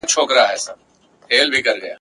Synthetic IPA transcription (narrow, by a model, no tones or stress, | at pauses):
t͡ʃʰoːkɾɐaɦɛːsɐb | heːlbʱikɐɾɡɐjaː